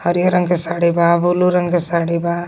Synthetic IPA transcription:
həɾjəɾəŋkesaɽibabuluɾəŋkesaɽiba

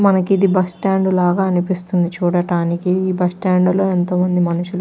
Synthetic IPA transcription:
mɐnɐkid̪ibɐsʈaːɳɖulaːɡaːɐnipist̪und̪it͡ʃuːɽɐʈaːnikiiːbɐsʈaːɳɖulo̞ːɛnt̪oːmɐnd̪imɐnuʃul

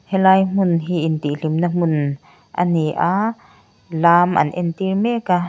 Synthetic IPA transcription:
hɛlaːjm̥ʊnɦiʔint̪iʔl̥imnam̥ʊn | ʔaniʔa | laːmʔɐ̰nʔɛnt̪irmɛka

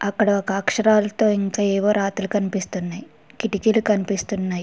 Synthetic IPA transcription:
ɐkːɐɽɐokaːkʂɐɾaːlɐt̪o̞ːiŋkaːɛːʋo̞ːɾaːt̪ulukɐnipist̪unːaːji | kiʈikilukɐnipist̪unːaːji

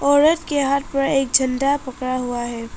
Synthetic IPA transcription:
ɔːɾət̪keɦat̪pɐɾeːk̚d͡ʒʱɐnɖapɐkɽaɦuaɦɛː

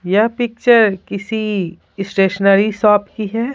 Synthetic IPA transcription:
japɪk̚t͡ʃəɾkɪsi | sʈeːʃənəɾisɔːpkiɦɛː

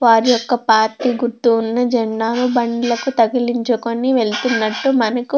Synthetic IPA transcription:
ʋaːɾijɔkːɐpaːɾʈiːɡuɾt̪ːuːnːɐd͡ʒɐɳːaːnubɐɳɖilɐkut̪ɐɡiliɲt͡ʃɐkonːiʋe̞ɭt̪unːɐʈːumɐnɐku

